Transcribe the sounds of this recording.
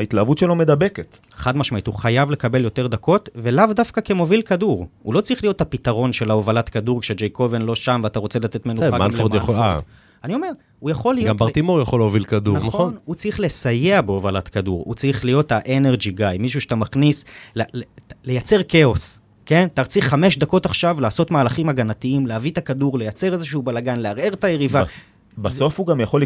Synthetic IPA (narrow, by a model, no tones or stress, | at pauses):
ait̪laːvutʃelome̞d̪abeket̪ | eχad̪maʃmaituχajavle̞kabe̞ljo̞t̪e̞ʁd̪ako̞tvelavd̪afkakemo̞vilkaduʁulo̞t͡saʁiχlijo̞t̪hapit̪aʁo̞nʃe̞laovalatkaduʁkʃed͡ʒejko̞venlo̞ʃamveat̪aʁot͡selat̪e̞t̪menuamalmfoʁdjaχoa̰ | anio̞me̞ʁ | ujaχo̞lːijɡambbaʁt̪imoʁjaχoleovilkadunaonnut͡sʁiχle̞sajeabeovalat̪kadṵʁṵt͡saʁiχlijo̞taʔeneʁd͡ʒiɡajmiʃ̬uʃe̥tamaχnislelle̞jat͡se̞ʁke̞o̞s | ke̞ntaʁt͡siχame̞ʃd̪ako̞taχʃavlaːso̞t̪maːlaχimaɡanat̪iimleavit̪akaduʁle̞jat͡se̞ʁezeʃuːbalaɡanleaʁe̞ʁt̪ajeʁiva | baso̞fhuɡamjaχol